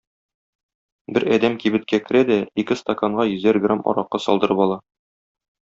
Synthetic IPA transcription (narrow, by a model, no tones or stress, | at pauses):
bɘɾæd̪æmkibɘ̆t̪̚kækɘ̆ɾæd̪æikɘst̪ɐkaɴɢɑjɵ̆zæɾɡramɒ̰ɾɑqːɑsɒ̰lˠd̪ɤ̆ɾɤpɒlˠɑ